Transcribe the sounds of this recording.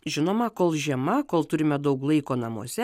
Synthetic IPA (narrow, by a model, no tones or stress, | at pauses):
ʒʲɪnoːmɐkoːlˠʒʲiɛmɐkoːlˠt̪ʊɾʲɪmʲɛd̪ɐʊklˠɐɪkoːnɐmo̰ːsʲɛ